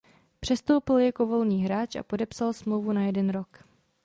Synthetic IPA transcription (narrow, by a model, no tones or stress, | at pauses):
pr̥ɛst̪o̞wpɪljako̞vo̞lɲiːɦɾaːt͡ʃʔa̰po̞dɛpsalsmlo̞wvunajɛdɛnɾo̞k